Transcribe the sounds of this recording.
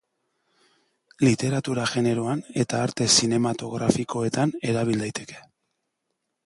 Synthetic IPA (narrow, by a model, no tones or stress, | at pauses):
lit̪e̞ɾat̪uɾaɣe̞ne̞ɾo̞ane̞t̪aːɾt̪e̞sine̞mat̪o̞ɣɾafikʰo̞e̞t̪ane̞ɾaβ̞ild̪ajt̪e̞̥ke̞̥